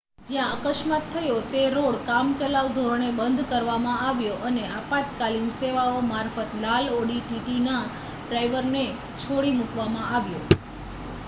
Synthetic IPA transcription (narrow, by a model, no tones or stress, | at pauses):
d͡ʒjãəkəʃmat̪ʰːəjot̪eɾoɭkamt͡ʃəlaʋd̪ʱoɾoɳ̃ebənd̪ʱkəɾʋamãaʋjoʔəneapat̪kalinseʋaomaɾfət̪laloɽiʈiʈina | ɖɾaiʋəɾne | t͡ʃʰoɽimukʋamãaʋjo